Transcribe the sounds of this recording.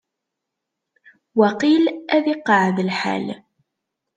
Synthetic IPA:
wæqilæðɪqːɑʕðəlħa̰l

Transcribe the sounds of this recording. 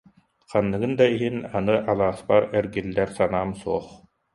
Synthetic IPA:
qanːɯɡɯnd̪aiɦinanɯʔalˠaːspaɾɛɾɡilːɛɾsanaːmsuɔχ

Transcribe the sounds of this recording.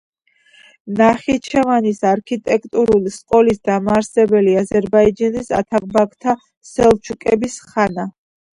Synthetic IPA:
naχit͡ʃʰɛvanisaɾkʰit̪ʼɛk̚ʰʼt̪ʼuɾulisqʼɔlisd̪amaːɾsɛbɛliazɛɾbaid͡ʒanisa̰t̪ʰak̚ʼbakt̪ʰa | sɛlˠt͡ʃʰukʼɛbisχana

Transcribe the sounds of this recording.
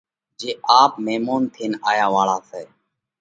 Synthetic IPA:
d͡ʒeːʔaːpmeːmoːnt̪ʰeːnaːjaːʋaːɭaːsɛː

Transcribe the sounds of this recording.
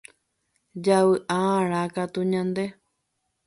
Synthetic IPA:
d͡ʒaβɨʔaãɾ̃ãkat̪uɲãnd̪e

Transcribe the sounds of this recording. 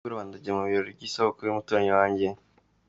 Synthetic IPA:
uɾuβaːndaɟemuβiɾoɟiːsoβokoɾimutuɾaɲewaːɲɟe̞

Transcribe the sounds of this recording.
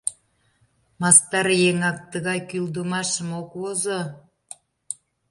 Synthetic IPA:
mɑst̪ɑɾjeŋɑk̚t̪əɣɑjkyld̪əmɑʃəmokozo

